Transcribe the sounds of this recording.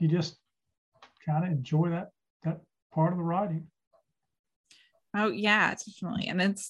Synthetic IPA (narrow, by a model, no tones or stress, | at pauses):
jɨd͡ʒʌst | kʰãɪ̃ndɨɨ̃nd͡ʒɔɪðɨt̚ | ðɨt̚ | pʰɑɹɾʌvðəɹaɪɾɪ̃ŋ | oʊjæ̰d̥ɛfnətˡlḭɨ̰̃nɨts